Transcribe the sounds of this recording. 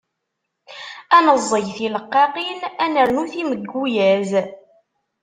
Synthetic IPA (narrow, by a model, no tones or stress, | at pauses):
ænəzˤːəʝθiləqːɑqinænəɾnuθiməɡːujæz